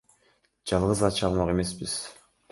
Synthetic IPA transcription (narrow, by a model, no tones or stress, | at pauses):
d͡ʒɑlˠʁɯzɑt͡ʃɑlˠmɑqe̞me̞sbiz̥